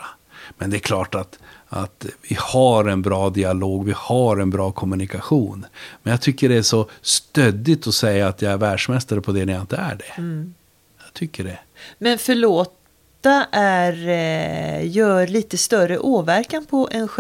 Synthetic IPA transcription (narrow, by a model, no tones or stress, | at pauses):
mɛnd̪ɛːɾkʰlɑːʈat̪ʔa̰t̪vɪhaɾɛnbɾɑːd̪ɪaloːɡvɪhaɾɛnbɾɑːkʰɔmɵnɪkaɧuːnmɛnjɑɡt̪ʰʏkːəɖɛæʂɔst̪ød̪ɪt̪ɔsɛjːaːt̪jɑɡæɾvæːɖʂmɛst̪aɾəpʰɔd̪ɛnɛjaɪnt̪əæ̰ɖɛ | jɑɡt̪ʰʏkːəɖɛ | mɛnfœɭoːt̪ | aʔæɾ | jœːɾɭiːt̪əst̪œrəʔoːvæɾkanpʰɔʔɛnɧ